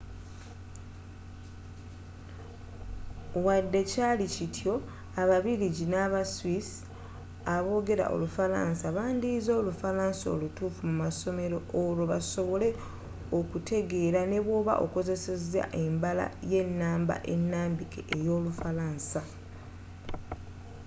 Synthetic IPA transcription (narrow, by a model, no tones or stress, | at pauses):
wadːe̞caːlicitʰjo̞ | aβaβiɾiɟinaβaswis | aβo̞ːɡe̞ɾa̰ʔo̞̰lufala̰ːnsaβaːndizo̞ːlufalaːnso̰lutuːfumumaso̞me̞ɾo̞ːloβaso̞βo̞le̞ | okute̞ɡe̞ːɾane̞βwo̞ːβaʔo̞̰ko̞ze̞se̞za̰ʔe̞mbala̰je̞nːaːmba̰ʔe̞nːaːmbikḛʔejo̞ːlufalaːnsa